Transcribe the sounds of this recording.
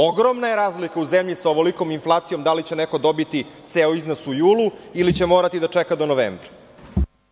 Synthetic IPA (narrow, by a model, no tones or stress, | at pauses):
oɡɾomnajeɾaːzlikauzemʎisaoʋoliko̞minflˠaːt̪sijo̞md̪alit͡ɕe̞neko̞d̪o̞bit̪it̪seoiznosujuːlˠuilit͡ɕemo̞ːɾat̪id̪at͡ʂɛkad̪onoʋḛːmbɾa